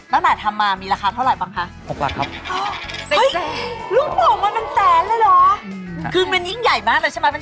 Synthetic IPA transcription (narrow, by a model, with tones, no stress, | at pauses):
na˦˥˩nʔaː˨˩t̪ʰa˧mːaː˧miː˧ɾaː˧xaː˧t̪ʰa˥˩wɾa˨˩jbaː˧ŋkʰa˦˥ʔtʰo˨˩k̚la̰˧˩kʰa˦˥p̚ʔə˦˥jlu˥˩ək̚pɔː˨˩˦ŋmaː˧nma˧nsɛː˨˦nlɤː˧jlɔː˨˩˦kʰɯː˧ma˧nji˦˥˩ŋja˨˩jmaː˥˩kla˧t͡ɕʰa˥˩ma˦˥ma˧